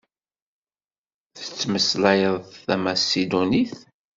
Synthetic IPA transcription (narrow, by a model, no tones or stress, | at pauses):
θə̥t͡sːməslæjəðˤθæmasid̪uniθ